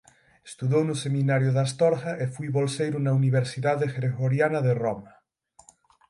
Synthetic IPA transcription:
e̥st̪uðownʊsemĩnaɾjʊðast̪ɔɾxaʔefujβolsejɾunauniβ̞eɾsiðaðexeɾeɣoɾjanɐðerɔmɐ

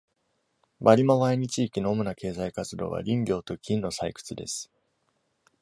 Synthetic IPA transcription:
baɾʲimoβaeɲ̟it͡ɕiːkʲino̞ːmonake̞ːzaikat͡sɨd̪o̞̰ːβa̰ɾʲĩmbʲjo̞ːt̪o̞kʲĩnːo̞saikɯ̟̥t͡sɨd̪e̞̰sɨ̥

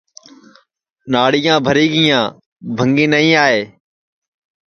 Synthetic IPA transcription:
naːɽɪjãːbʱəɾiːɡɪjãː | bʱəŋɡĩːnəĩːaːɦeː

